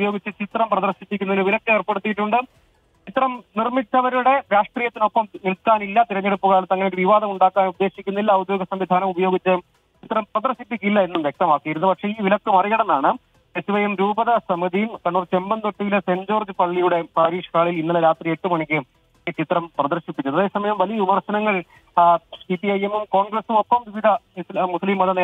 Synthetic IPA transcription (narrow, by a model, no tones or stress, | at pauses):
ubɐjo̞ːɡit͡ɕːɨt͡ɕit̪rɐmprɐðɐrɕipːikʲːunːɐðinɨʋilɐkːɨɐrpe̞ɽut̪ːijiʈːuɳɖɨ | t͡ɕit̪rɐmnirmit͡ɕːɐʋɐɾuɽe̞ɾaːʂʈriːjɐt̪ːinopːɐmnilkaːnilːɐt̪iɾɐɲːeɽupːuɣaːlɐt̪ːɐŋːɐnejːɨʋiʋaːd̪ɐmuɳɖaːkːaːnud̪ːe̞ːɕikʲːunːilːɐud̪jo̞ːɡɐsɐmʋid̪ʱaːnɐmubɐjo̞ːɡit͡ɕːɨ | t͡ɕit̪rɐmprɐðɐrɕipːikʲːilːɐe̞nːumʋjek̚t̪ɐmaːkːijiɾunːupɐkʂe̞iːʋilɐkːɨmɐriɣɐɽɐnːaːɳɨ | esuʋɐjemɾuːbɐðɐsɐmɐðijumkɐɳːuːrt͡ɕe̞mbɐnt̪oʈːiʋileseɲd͡ʑo̞ːrd͡ʑipɐɭːijuɽe̞paːɾiːʂɐ̥kaːɭilinːɐlɐɾaːt̪rieʈːumɐɳikʲːɨ | t͡ɕit̪rɐmprɐðɐrɕipːikʲːuðɐðe̞ːsɐmɐjɐmʋɐlijɐʋimɐrɕɐnɐŋːɐɭ | sipːiɐjemumko̞ːɳɡresumo̞pːɐmʋiʋid̪ʱɐmuslimːɐɐneː